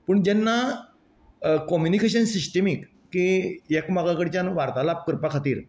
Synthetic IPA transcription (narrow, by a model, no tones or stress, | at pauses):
pəɳd͡ʑɛnːa | kɔmjunikeɕənsisʈəmikːiekmaɡakəɽt͡ɕjanʋaɾt̪alap̚kəɾpakʰat̪iːɾ